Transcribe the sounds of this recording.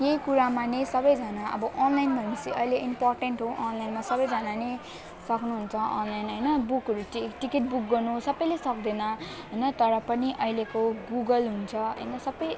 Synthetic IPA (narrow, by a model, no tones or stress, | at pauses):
jeikuɾamanesʌbʌjd͡zʌnaʔʌ̰bʌʔɔnlajnbʱʌnmisiʔʌ̰jleʔimpɔrʈeɳʈɦoʔɔnlajnmasʌbʌjd͡zʌnane | sʌknuɦunt͡sʰʌʔʌ̰nlajnɦʌjnʌbukɦʌɾuʈiʈikeʈ̚buk̚ɡʌrnusʌbʌjlesʌk̚d̪enʌ | ɦʌjnʌt̪ʌɾʌpʌniʔʌilekoɡuɡʌlɦunt͡sʰʌɦʌ̰jnʌsʌbʌj